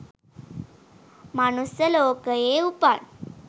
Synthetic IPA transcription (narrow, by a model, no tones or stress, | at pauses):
manusjəloːkəeupan